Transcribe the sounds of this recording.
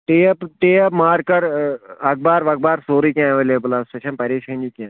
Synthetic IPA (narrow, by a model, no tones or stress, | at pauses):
ʈeɐpʈeːɐpmaːɾkɐɾɐk̚baːɾʋɐk̚baːɾsoːɾikʲãɐʋeːleːbəlasʈet͡ʃʰɐnpɐɾeːʃɐ̃nd͡ʒikʲãː